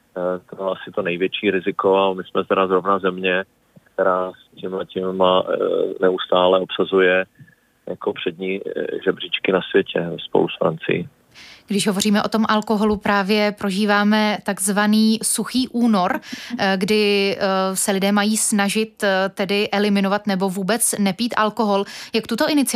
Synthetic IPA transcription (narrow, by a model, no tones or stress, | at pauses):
t̪obɪlasɪt̪onɛjvjɛt͡ʃiːɾɪzɪkoamɪsmɛt̪ɛɾazɾovnazɛmɲɛ | kt̪ɛɾaːscɪmlɛcɪmːanɛust̪aːlɛopsazujɛ | jakopr̥ɛd̪ɲiːʒɛbr̝ɪt͡ʃkɪnasvjɛcʰɛvɛspo̰lusfɾa̰nt͡sɪ̰jɪ̰ | ɡdɪʒɦo̞vo̞riːmɛʔo̞t̪o̞mʔalko̞ɦo̞lupɾaːvjɛpɾo̞ʒiːvaːmɛt̪aɡzvaniːsuxiːʔuːno̞ɾɡdɪ | sɛlɪdɛːmajiːsnaʒɪt̪t̪ːɛdɪʔɛlɪmɪno̞vat̪nɛbo̞vuːbɛt͡snɛpiːt̪ʔalko̞ɦo̞ljakt̪ut̪o̞ʔɪnɪt͡sɪ